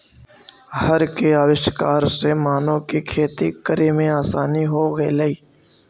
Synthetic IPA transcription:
ɦəɾkeaːʋɪʃkaːɾsemaːnõkikʰeːt̪ikəɾemẽaːsaːniɦoɡelɐiː

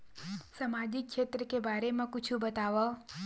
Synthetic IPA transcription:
samad͡ʒɪkːʃeːt̪ɾəkebaːɾemãkʊt͡ʃʰubət̪aʋa

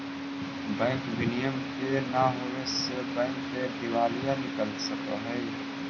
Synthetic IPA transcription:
bɛ̃ːŋkʋɪnijəmkenaɦoʋesebɛ̃ːŋksed̪ɪʋaːlijanɪkəlsəka̰ɦɛː

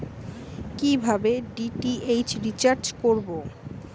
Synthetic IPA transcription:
kibʱabeɖiʈiʔejt͡ɕɾit͡ɕaɾt͡ɕkoɾbo

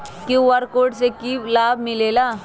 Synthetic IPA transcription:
kjõʋɐɾkoːɾɖsekilaːbmɪleːlaː

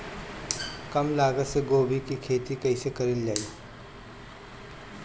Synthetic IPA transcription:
kɐmlaːɡətseɡoːbʱikikʰeːt̪ikɐisekɐɾɪld͡ʒaːiː

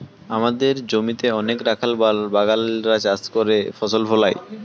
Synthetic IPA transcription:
amad̪eɾd͡ʑomit̪eɔnekɾakʰalbabaɡalɾad͡ʑast̪koɾefɔsolfɔlaj

